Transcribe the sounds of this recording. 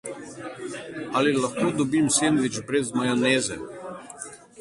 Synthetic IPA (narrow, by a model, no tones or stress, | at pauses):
alilɐxkoːd̪ɔbimsenʋid͡ʒbɾɛzmajaneːzɛ̰